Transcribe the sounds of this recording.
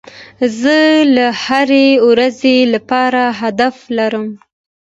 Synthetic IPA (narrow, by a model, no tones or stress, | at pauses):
zəlahaɾewɾazelapɑɾaɦad̪aflaɾəm